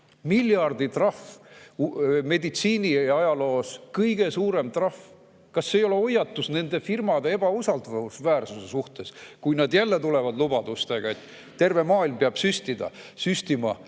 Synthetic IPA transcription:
milʲjɑrd̪̥it̪rɑf | me̞d̪it̪siːniɑjɑlo̞ːskɤjɡe̞suːɾe̞mt̪rɑf | kɑsːeːjo̞le̞o̞jːɑt̪ːˑusne̞nd̪̥e̞firmɑd̪e̞e̞b̥ɑusɑld̪ɑɑusvæːrsuse̞suht̪e̞skujnɑd̪jælːe̞t̪ule̞vɑd̪lubɑd̪̥ust̪e̞ɡ̥ɑe̞t̪ː | e̞rve̞mɑːilmpeɑb̥syst̪id̪̥ɑ̰syst̪imɑ̰

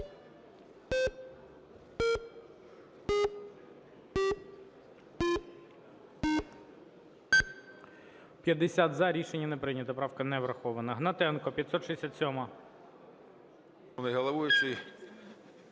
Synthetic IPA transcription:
pʲjɐd̪esʲat̪zɐɾʲiʃenʲːɐnepɾɪnʲɐt̪ɐpɾɑwkɐnɛʋɾɐxɔʋɐnɐɦnɐt̪ɛnkɔpʲjɐt̪sɔt̪ʃesʲat̪ʲsʲɔmɐ | nɐjɦɐlˠɐʋʊjʊʃi

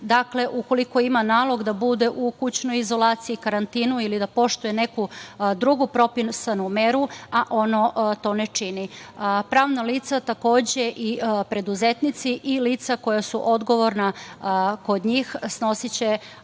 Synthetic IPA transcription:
d̪akle̞ʔuko̞liko̞imanaːlˠo̞ɡd̪abud̪e̞ʔukut͡ɕnojizo̞laːt̪siikaɾant̪iːnuilid̪apo̞ʃt̪ujene̞kud̪ɾuɡupɾo̞pinsanumeɾuaʔo̞no̞t̪o̞net͡ʃinipɾaːʋnaliːt̪sat̪ako̞ːd͡ʑe̞ʔipɾe̞d̪uzet̪nit̪siʔiliːt̪sako̞jasuʔo̞d̪ɡo̞ʋo̞ɾna | ko̞d̪ɲiːxsno̞sit͡ɕe̞

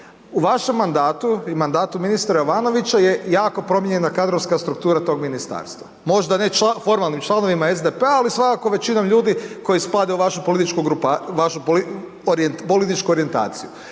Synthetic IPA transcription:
uʋaʃe̞mːand̪aːt̪uimand̪aːt̪uminist̪ɾajoʋaːno̞ʋit͡ɕajejaːko̞pɾo̞mjeɲe̞nakad̪ɾoʋskast̪ɾuk̚t̪uːɾat̪o̞ɡminist̪a̰ːɾst̪ʋa | mo̞ʒd̪ane̞t͡ʃafo̞ɾmalˠnimt͡ʃlˠano̞ʋimae̞zd̪epeaːlisʋakako̞ʋe̞t͡ʃinomʎuːd̪iko̞jisplad̪euʋaʃupolit̪it͡ʃkuɡɾupaʋaʃupl | ɾpolit̪it͡ʃkuo̞ɾie̞nt̪a̰ːt̪siju

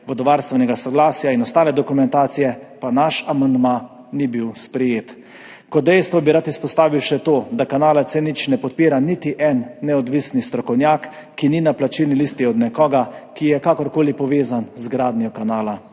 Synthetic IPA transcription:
ʋɔd̪ɔʋaɾst̪ʋɛnɛɡasɔɡlaːsjainɔst̪aːlɛd̪ɔkumɛnt̪aːt̪sijɛpanaʃamand̪ma | nibiwspɾɛjeːt̪ | kɔt̪̚d̪ɛjst̪ʋɔbiɾat̪ispɔst̪aːʋiwʃɛt̪oːd̪akanaːlat̪sɛnit͡ʃnɛpɔt̪̚piːɾanit̪iʔɛnːɛɔd̪ʋisnist̪ɾɔkɔwnjakː | ininaplat͡ʃilnilist̪iɔd̪nɛkɔːɡakijɛkakɔɾkoːlipɔʋeːzanzɡɾaːd̪njɔkanaːla

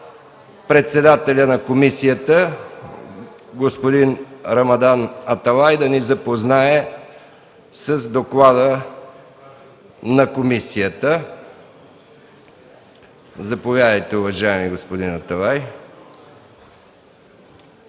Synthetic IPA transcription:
pɾɛt̪sɛd̪at̪ɛlʲənɐkomisijət̪ə | ɡospod̪inɾɐmɐd̪anɐt̪ɐlˠajd̪ɐnizɐpoznaɛ | səzd̪oklˠad̪ə | nɐkomisijət̪ə | zɐpovʲjad̪əjt̪ɛʊvɐʒaɛmiɡospod̪inɐt̪ɐlˠaj

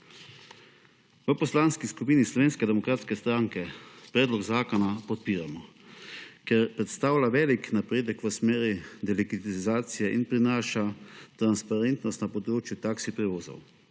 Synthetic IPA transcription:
ʋəpɔslaːnskiskupiːnislɔʋeːnskɛd̪ɛmɔkɾaːt̪skɛst̪ɾaŋkɛpɾɛːd̪lɔɡzaːkɔnapɔt̪̚piːɾamɔ | kɛɾpɾɛt̪st̪aːwlʲaʋɛːliknapɾeːd̪əkʋəsmeːɾid̪ɛlikit̪izaːt̪sijɛʔinpɾinaːʃat̪ɾanspaɾent̪nɔst̪napɔd̪ɾoːt͡ʃjut̪aːksipɾɛʋoːzo̰w

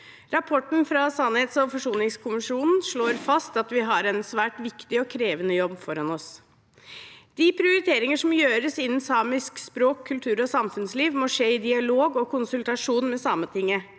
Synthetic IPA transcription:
ɾɑpʰɔʈɳ̩fɾɑsɑnheːt̪sɔfɔʂuːnɪŋskʰʊmɪʂuːnn̩ʂɭoːɾfɑst̪ɑt̪ʋɪɦɑɾɛnsʋæːʈʋɪkt̪ɪɔkʰɾeːʋənəjɔbːfɔɾɑnɔs | d̪̥ɪpʰɾɪʊɾɪt̪ʰeːɾɪŋəʂɔmjøːɾəsɪnːn̩sɑːmɪskspɾoːkʰːʉlt̪ʰʉːɾɔsɑmfʉnsliːʋmoːʂeːɪd̪ɪɑloːɡɔkʰʊnsʉlt̪ɑʂuːnmɛsɑmət̪ʰɪŋːə

